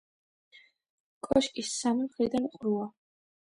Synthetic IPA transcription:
kʼɔʃkʼisamimχɾid̪anqʼɾua

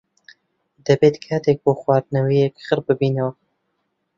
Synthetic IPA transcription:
d̪̥ɛbeːt̪kʰaːt̪ek̚boːxwaːɾnɐwijɛkxɨɾbɨbiːnɛwa

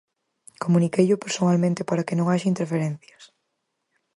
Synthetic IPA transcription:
komunikejʎʊpeɾsonalmẽnt̪ɪpaɾakɪnõŋaʃaint̪eɾfeɾɛ̃nθjɐs

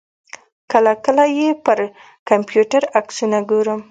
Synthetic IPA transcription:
kəlakəlajepəɾ | kampjuʈaɾaksunaɡoɾəm

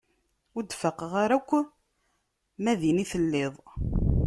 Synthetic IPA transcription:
ʊd̪fəqəʁaɾækʷː | mæðiniθəlːeðˤ

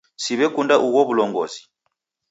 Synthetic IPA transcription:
siβɛkundaʔuɣɔβulɔŋɡɔ̰zi̥

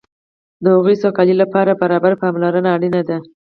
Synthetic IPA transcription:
d̪əhʊɣəjsokɑlilapɑɾabaɾɑbaɾpɑmlaɾənaːɽinad̪a

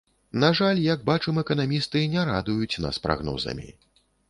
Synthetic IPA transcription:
naʐalʲjɐɡ̚bat͡ʂɛmɛkɐn̪amʲist̪ɨnʲɛɾad̪ujut͡sʲna̰spɾa̰ɣnɔ̰zɐ̰mʲḭ

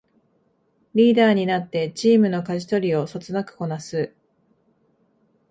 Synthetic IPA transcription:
ɾʲiːd̪aːɲ̟inat̪ːe̞t͡ɕiːmɯ̟no̞kaʑi̥t̪o̞ɾʲio̞so̞t͡sɨnakɯ̟̥ko̞nasɨ

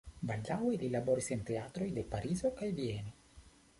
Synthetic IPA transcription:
balːawelilaboɾisent̪eat̪ɾojd̪epaɾizokajvieni

